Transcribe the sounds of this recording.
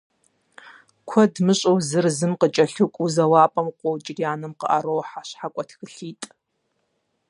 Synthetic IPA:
kʷʰɐdmɨɕʷʼowzɨrzɨmqət͡ʃʼɐɬukʷʼuzɐwaːpʼɐmqʷowt͡ʃʼɪɡʲiaːnɨmqə̰ʔɐɾowħaɕħakʷʼɔtʰxɨɬiːtʼ

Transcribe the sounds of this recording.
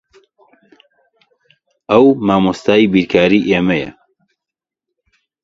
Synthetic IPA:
ʔɐwmaːmost̪aːibiɾkʰaːɾiːʔeːmɐjɐ̰

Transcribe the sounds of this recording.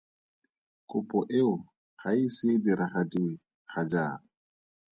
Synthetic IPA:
kʼʊpʼɔʔeʊ | χaisɪdiɾaχadi | χad͡ʒa̰ː

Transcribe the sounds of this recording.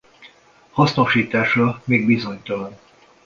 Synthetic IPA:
hɒsno̞ʃiːt̪aːʃrɒmeːɡbizo̞ɲt̪ɒlɒn

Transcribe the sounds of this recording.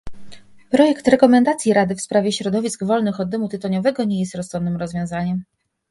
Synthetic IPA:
pɾɔjɛkt̪ɾɛkɔmɛnd̪at̪sʲjiɾad̪ɘfspɾavʲjɛɕɾɔd̪ɔvʲisɡvɔlnɘxɔd̪ːɘmut̪ɘt̪ɔɲɔvɛɡɔɲɛjɛst̪ɾɔst̪ɔnːɘmɾɔzvʲjɔ̃w̃zaɲɛm

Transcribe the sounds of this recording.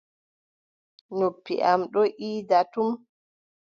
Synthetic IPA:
nupːḭʔamɗɔʔiːdatum

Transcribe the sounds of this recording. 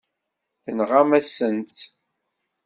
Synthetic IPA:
θənʁamæsənt̪

